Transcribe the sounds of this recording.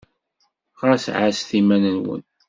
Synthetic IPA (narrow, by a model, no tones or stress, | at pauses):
qɾˤɑsʕasθimænənwə̰n